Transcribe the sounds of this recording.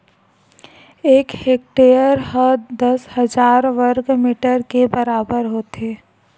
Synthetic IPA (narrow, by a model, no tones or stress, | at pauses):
eːkheːk̚ʈeːəɾɦəd̪əshəd͡ʒaːɾʋəɾɡmiːʈəɾkebəɾaːbəɾɦoːt̪eː